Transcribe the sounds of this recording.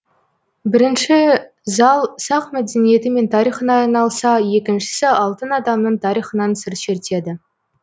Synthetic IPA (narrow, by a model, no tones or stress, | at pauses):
bɪɾɪnʃɪ | zɑlˠsɑqmæd̪e̞nije̞t̪ɪme̞nt̪ʰɑɾijχənɑːjnɑlˠsɑje̞kʲɪnʃɪ̥sɪɑlˠt̪ənɑd̪ɑmnəɴt̪ʰɑɾijχənɑnsɪɾt̪ʃeɾt̪e̞d̪ɪ